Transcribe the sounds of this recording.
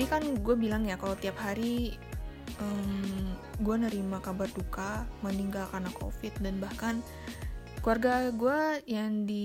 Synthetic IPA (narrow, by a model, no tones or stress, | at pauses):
ikanɡuabilaŋjakalat̪iap̚ɦaɾi | əmɡuanəɾimakabardukaməniŋɡalkarnakʰo̰fɪt̪̚danbahkan | kluarɡaɡuajaŋdi